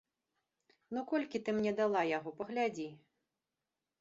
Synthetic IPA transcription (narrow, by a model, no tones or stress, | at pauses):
nukɔlʲkʲit̪ɨmnʲɛd̪alˠajaɣɔpɐɣlʲad͡zʲi